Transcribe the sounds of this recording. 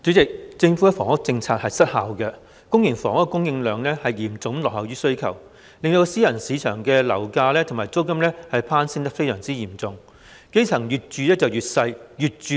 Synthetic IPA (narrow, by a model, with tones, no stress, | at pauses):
t͡sy˨˥t͡sɪ˨k̚t͡sɪ˧ŋfu˨˥˧fɔː˨˩ŋhʊ˥k̚t͡sɪ˧ŋt͡sʰaː˧k̚hɐ˨jsɐ˥t̚haː˨wkɛ˧ | kʊ˥ŋjɪ˨˩ŋfɔ̰ː˨˥ŋɔ˥kʊ˥ŋjɪ˧ŋlœː˨˩ŋlɛː˥hɐ˨jjiː˨˩mt͡sʊ˨˥ŋlɔː˨hɐ˨wɥyː˥sɵ˥ɥkʰɐ̰˨˩w | lɪ˨ŋt̪o˧wsiː˥jɐ˨˩nsiː˨˧t͡ʃʰœː˨˩ŋkɛː˧lɐ˨˩wkaː˧lɛː˥t̪ʰʊ˨˩maː˨˩jt͡so˥wkɐ˥mlɛː˥hɐ˨jpʰaː˥nsɪ˥ŋt̪ɐ˥k̚fe˥jsœː˨˩ŋt͡siː˥jiː˨˩mt͡sʊ˨ŋ | ke˥jt͡sʰɐ˨˩ŋjyː˨t̚t͡ʃyː˨˧lɛː˥t͡sɐ˨wjyː˨t̚sɐ˧jjyː˨t̚t͡ʃyː˨˧